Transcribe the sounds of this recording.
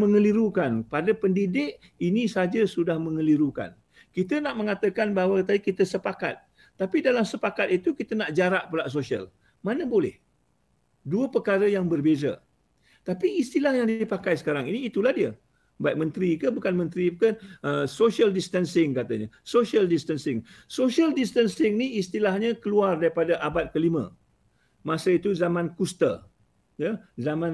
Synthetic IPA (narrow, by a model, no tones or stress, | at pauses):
məŋəliɾukanpadəpəndidɪk̚ | inĩsad͡ʒəsudahmə̃ŋəliɾuka̰n | kit̪ənaʔmə̃ŋat̪əkanbaɦwat̪̬adikit̪əsəpaka̰t̪̚ː | apidalamsəpakat̪̚it̪ukit̪ənaʔd͡ʒaɾaʔpəlaʔs̬osiə̰l | manə̃bolɛ̰h | duəpəkaɾəjaŋbərbezə̰ | t̪apiːst̪ilahjaŋdipakajsə̥kaɾaŋiniːt̪ulahdiə | baiʔ̚mə̃nt̪ɾikəbukanmə̃nt̪ɾikəəsoʃialdist̪ənsɪŋkat̪aɲəsoʃiəldist̪ənsɪŋsoʃialdist̪ənsɪŋniist̪ilahɲə̃kəluardaɾipadaʔabat̪̚kəlimə̰̃ | masəit̪uzamãnkust̪ə̰ | jazamãn